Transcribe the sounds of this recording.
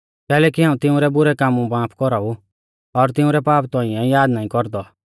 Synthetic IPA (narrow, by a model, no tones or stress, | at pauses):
kɛːlɛːkiɦaːũt̪ɪũɾɛbʊɾɛkamũbãːpʰkɔɾau | ɔɾt̪ɪ̃ũɾɛpaːpt̪ɔ̃ĩɛjaːd̪naːĩkɔɾd̪ɔ